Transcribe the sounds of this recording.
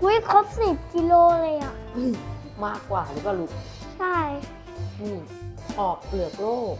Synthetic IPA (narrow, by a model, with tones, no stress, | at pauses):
du˧˦jkʰo˦˥p̚sni˨˩p̚ki˧loː˧lɤː˧jʔa˨˩ʔʔɯː˧˩ | maː˥˩kːwaː˨˩lɯː˨˦kaː˧˩lu˦˥k̚ | t͡ɕʰa˥˩j | nɯː˧˩ | ʔɔː˨˩k̚plɯ˨˩ət̚loː˥˩